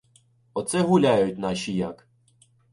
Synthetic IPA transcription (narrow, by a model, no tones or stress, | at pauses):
ɔt̪sɛɦʊlʲajʊt̚ʲnɑʃijak